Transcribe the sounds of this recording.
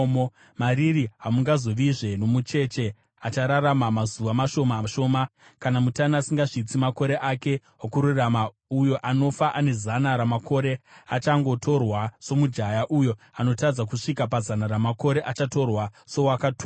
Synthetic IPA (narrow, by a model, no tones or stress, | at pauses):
m | maɾiriɦamuŋɡazo̞ʋiʐe̞no̞mut͡ʃe̞t͡ʃe̞ | at͡ʃaɾaɾamamazuʋamaʃo̞maʃo̞ːmakanamutanasiŋɡaʐit͡simako̞ɾe̞ʔake̞ | akuɾurama | ujo̞ʔano̞faʔane̞zanaɾamakʰo̞ɾe̞at͡ʃaŋɡo̞tʰo̞rwaso̞mud͡ʒajaʔujo̞ | ano̞tad͡zak̬uʂikap̬azanaɾamako̞ɾe̞ʔat͡ʃato̞rwaso̞wakatu